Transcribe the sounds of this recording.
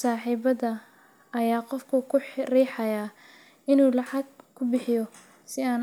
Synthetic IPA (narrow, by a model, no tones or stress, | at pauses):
saːħiːbɐðɐ | ɐjaːqɔfkʰʊkʰʊħriːħɑjaː | ɪnuːlɑʕɑɡkʰʊbɪħɪjɔ | sɪaːn